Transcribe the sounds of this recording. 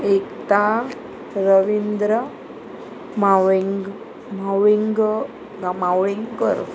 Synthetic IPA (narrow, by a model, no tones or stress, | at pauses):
ekt̪a | ɾəʋind̪ɾə | maŋɡ | mawiŋɡ | ɡamawɭiŋɡkə̰ɾ